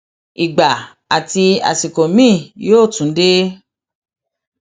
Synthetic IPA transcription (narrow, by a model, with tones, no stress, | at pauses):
i˨ɡ͡ba˨ | a˨ti˧a̰˨si˨ko˨mĩː˦˨joː˦˨tũ˨˦de˦